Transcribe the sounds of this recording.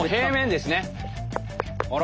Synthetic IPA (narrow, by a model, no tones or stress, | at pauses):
ɦeːmẽ̞nd̪e̞sɨne | oɾ